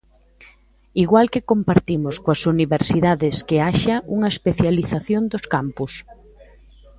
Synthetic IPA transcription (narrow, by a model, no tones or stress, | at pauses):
iɣwalkekompaɾt̪imʊskoɐsuniβeɾsiðaðɪskeaʃɐuŋɐespeθjaliθaθjond̪oskampus